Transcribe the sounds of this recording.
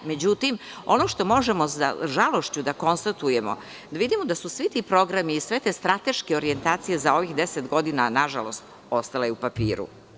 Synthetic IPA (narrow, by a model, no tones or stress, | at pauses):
me̞d͡ʑut̪im | o̞noʃt̪o̞mo̞ʒemo̞za̰ʒalo̞ʃt͡ɕud̪ako̞nst̪at̪uje̞mo̞̰ | d̪aʋid̪imod̪asusʋit̪ipɾo̞ɡɾamiːsʋe̞t̪est̪ɾat̪e̞ʃke̞o̞ɾie̞nt̪aːt̪sije̞zao̞ʋixd̪eset̪ɡo̞d̪inanaʒalo̞̰st̪ | o̞st̪alajeupapḭːɾṵ